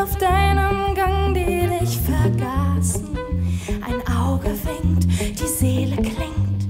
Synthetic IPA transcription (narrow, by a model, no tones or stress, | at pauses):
aʊfd̥aɪnəmɡaŋdeːdɪçfɛɐɡaːsn̩ʔaɪnʔaʊɡəvɪŋtd̥iːzeːləklɪŋt